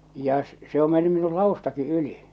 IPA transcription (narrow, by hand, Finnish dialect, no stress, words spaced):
jɑ s se o menːy minu lɑustɑki ʔyli